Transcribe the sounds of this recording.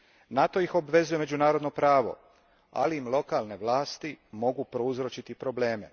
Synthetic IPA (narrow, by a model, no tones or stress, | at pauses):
nat̪o̞jixo̞bʋe̞zuje̞me̞d͡ʒunaːɾo̞d̪no̞pɾaːʋo̞̰ | a̰liːmlˠo̞kalne̞ʋlˠaːst̪imo̞ɡupɾouzɾot͡ʃit̪ipɾo̞ble̞ːme̞̰